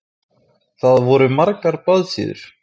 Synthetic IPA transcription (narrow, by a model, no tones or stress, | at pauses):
θaðvɔɾʏmaɾkaɾpaðsɪ̰ːðʏ̰ɾ̥